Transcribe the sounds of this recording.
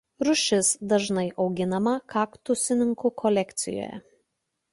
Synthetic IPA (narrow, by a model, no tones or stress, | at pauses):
ɾʊʃʲɪsd̪ɐʒnɐɪʔɒʊɡʲɪnɐmɐkɑːkt̪ʊsʲɪnʲɪŋkukʰɔlʲɛkʲt̪sʲɪ̰jo̰ːjɛ̰